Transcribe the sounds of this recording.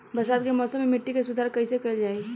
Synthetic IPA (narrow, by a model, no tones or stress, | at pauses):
bɐsaːt̪kemɔːsəmːemɪʈːikesʊd̪ʱaːɾkɐisekɐld͡ʒaːe